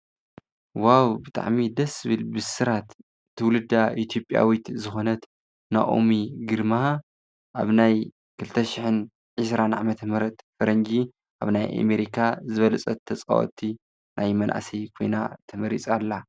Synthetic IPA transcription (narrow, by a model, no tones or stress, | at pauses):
wawbɨt̪ʼa̰ʕmid̪ɐsɨβɨlbɨsɨɾat̪ | t̪ʰːɨwlɨd̪ːaʔit̪ʰjo̞pʼːja̰wit̪zɨxo̞nɐt̪ | na̰ʔo̰miɡɨɾma | ʔaβnaj | kʰɨlɨt̪ʰːɐʃɪħɨn | ʕɨs̬ɾanʕamɐt̪ʰɐmɨɾɐt̪fɐɾɐnd͡ʒi | ʔa̰βnajʔa̰meɾikʰazɨβɐlɐt͡sʼɐt̪ʰːɐt͡sʼa̰wo̰t̪ʰːi | nʔajmɐnʔa̰sijkʰo̞̰jnat̪ʰɐmɐɾḭt͡sʼalːa